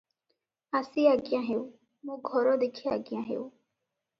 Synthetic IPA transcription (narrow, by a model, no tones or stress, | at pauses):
əsiːaɡɪjãːɦeːu | mũːɡʱɔɾoːd̪ekʰea̰ɡjãːɦḛːu